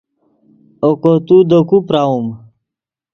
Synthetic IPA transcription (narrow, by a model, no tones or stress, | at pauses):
okot̪ud̪okupɾaum